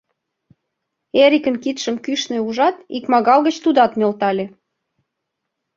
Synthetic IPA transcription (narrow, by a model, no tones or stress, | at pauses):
eɾikə̆nkit̪ʃə̆mkyʃnĕuʒɑt̪ikmɑɣɑlɣə̆t͡ɕt̪ud̪ɑt̪melt̪ɑlʲe